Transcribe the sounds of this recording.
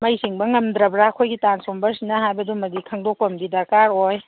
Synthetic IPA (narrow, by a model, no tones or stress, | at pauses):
mɐjsiŋbɐŋɐmd̪ɾɐbɾakʰojɡitansombɐɾsinɐɦajbɐdumɐdikʰɐŋdok̚pɐmɡidɐɾkaɾoj